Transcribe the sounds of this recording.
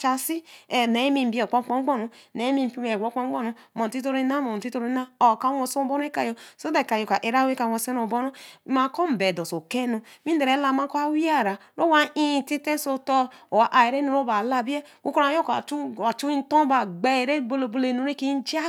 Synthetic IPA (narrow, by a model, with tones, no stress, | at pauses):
t͡ʃa˨si˦˨ne˨˦mĩ˨m̩˦bi˦o˨k͡po˦k͡pɔ˦ɡ͡bɔ˦nu˨ne˨˦mi˦m˨pi˦me˨ɡo˦k͡pɔ˦ŋ͡mɡ͡bɔ˦nu˨mo˨ti˦to˦ɾi˦na˦mo˨ti˦to˦ɾi˦na˦o˨ka˦wo˨so˦o˨bo˦n˦e˦ka˨jo˨so˦de˨ka˨jo˨ka˨ʔe˨ɾa˦we˦ka˨wo˨se˦no˨bo˦no˦˨ma˨kɔ˦m̩˨be˨do˨so˨ke˦nu˨mi˦de˨ɾe˨˦la˨ma˦ko˦a˦wi˦a˦˨ɾa˨ɾo˦wa˦ĩ˦˨ti˦te˦so˦to˦o˨a˨ʔa˨e˨ɾe˦nu˨ɾo˦ba˨la˨bi˦e˦ku˦ko˦ɾa˨˦jo˦ka˨u˦˨a˨t͡ʃu˦i˦n˦to˦ba˨ɡ͡be˨ɾe˦˨bo˦˨lo˨bo˦le˨nu˨ɾe˦ki˦d͡ʒa˦